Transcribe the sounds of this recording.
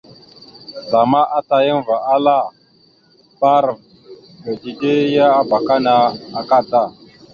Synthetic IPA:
za˨ma˦ʔa˦ta˨jə˦nva˨ʔa˦la˦˨ | pa˦ɾ | və˨di˨de˦ja˦a˦ba˨ka˦na˨a˨ka˦ta˦˨

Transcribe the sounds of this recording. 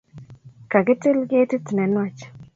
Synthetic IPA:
ka˨ɡɪ˦tɪ˦lɡe˦tɪ˦tnɛ˨˦nwa˦˨t͡ʃ

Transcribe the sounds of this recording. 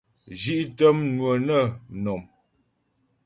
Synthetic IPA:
d͡ʒi˦ʔtə˦mnwə˨nə˦˨nɔ˨m

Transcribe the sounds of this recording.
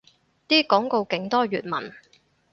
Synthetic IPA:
t̪iː˥kɔː˨˥ŋko˧wkɪ˨˧˥ŋt̪ɔː˥ɥyː˨t̚mɐ̰˨˩n

